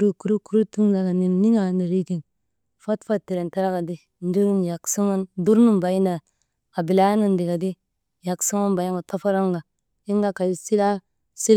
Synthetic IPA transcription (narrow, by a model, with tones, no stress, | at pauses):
ɾu˦ku˦ɾu˦ku˦ɾu˦tu˦ŋla˨ka˨ni˨nni˦ŋa˨ni˨ɾi˦ki˨n | fa˦tfa˦tːi˨ɾe˨nta˦ɾa˦ka˨di˦ | n˦du˦ɾu˦nja˨ksu˦ŋa˦ndu˦ɾnu˦mba˨i˦na˨ | a˨bi˨la˦nu˦ndi˨ka˨di˦ | ja˨ksu˦ŋa˦nba˨ji˦ŋɡa˨ta˦fa˦ɾa˦ŋɡa˨ | i˦ŋɡa˦ka˨di˦si˦la˦ | si˦l